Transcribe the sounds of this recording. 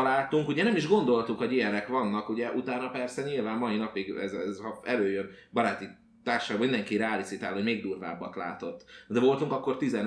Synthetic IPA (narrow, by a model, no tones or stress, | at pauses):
laːt̪uŋkuɟɛnɛmiʒɡo̞nd̪o̞lt̪ukho̞ɟijɛnɛkʋɒnːɒkuɟɛʔut̪aːnɒpɛrsɛɲilvaːmːɒjinɒpiɡɛ̰zɛzhɒɛløːjønbɒɾaːt̪i | t̪aːrʃaːɡbɒmind̪ɛŋkiɾaːlisit̪aːlhomeːɡd̪uːrva̰ːbːɒ̰t̪la̰ːt̪o̞t̪ːd̪ɛvo̞lt̪uŋkɒkːo̞rt̪izɛn